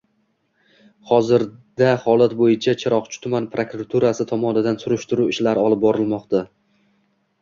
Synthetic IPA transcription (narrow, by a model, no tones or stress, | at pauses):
hɒzɪɾd̪ahɒlˠat̪bojɪt͡ʃʰat͡ʃʰɪɾɒqt͡ʃʰʊ̥t̪ʰʊmanpʰɾokɾat̪ʰuɾasɪt̪ʰɒmɒnɪd̪ansʊɾɪʃt̪ɪɾuɪʃlaɾɒlˠɪp̚bɒɾɪlˠmɒqt̪ʰa